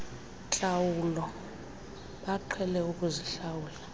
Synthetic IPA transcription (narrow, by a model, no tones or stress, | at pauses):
t͡ɬʼawulɔ | ɓaǃʰwɛlɛuk̬ʼuziɬawuːla